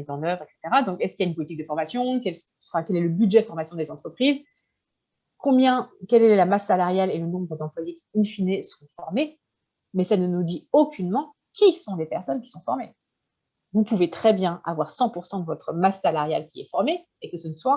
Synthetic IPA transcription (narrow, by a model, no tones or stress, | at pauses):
izɑ̃nœvʁɛkse̥t̪eʁad̪ɔ̃kɛskiljaynpɔlit̪ik̚d̪əfɔʁmasjɔ̃kɛl | fɛ̃kɛlɛləbyd̪ʒɛd̪fɔʁmasjɔ̃d̪ezɑ̃t̪χəpχiz | kɔ̃bjɛ̃kɛlɛɛlamasːalaʁjalelənɔ̃bʁəd̪ɑ̃pwazikĩnfinesəʁɔ̃fɔʁme | mɛsanənud̪iokʲynmɑ̃ | kʲʰisɔ̃lepɛʁsɔnkʲi̥sɔ̃fɔʁme | vupuvet̪χɛbjɛ̃ʔa̰vwaʁsɑ̃puʁsɑ̃d̪əvɔt̪χəmasːalaʁja̰lkʲiɛ̰fɔʁme | ekəsənəswa